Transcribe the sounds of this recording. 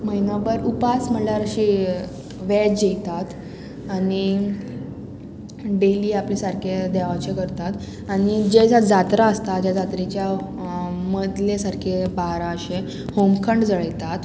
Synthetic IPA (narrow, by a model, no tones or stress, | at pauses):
məɦinabəɾupasməljaɾəɕi | ʋɛd͡ʑejt̪at̪ | ani | ɖeliːaplesaɾkʰed̪aʋat͡ɕekəɾt̪at̪ | aɽ̃id͡ʑed͡zad͡zat̪ɾaəst̪ad͡ʑjad͡zat̪ɾit͡ɕja | məd̪lesaɾkʰebaɾãɕe | homkʰəɳɖd͡zəɭəjt̪at̪